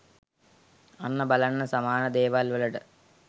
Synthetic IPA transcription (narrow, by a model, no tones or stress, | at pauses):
ɐnːɐbɐlɐɳːɐsɐmaːnɐd̪eːʋaːlʋɐlɐɽɨ